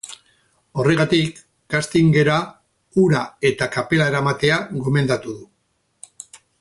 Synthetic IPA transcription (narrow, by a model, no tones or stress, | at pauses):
o̞re̞ɣat̪ik | ɡast̪iŋɡe̞ɾa | uɾae̞t̪akape̞laeɾamat̪e̞aɣo̞me̞nd̪at̪uðu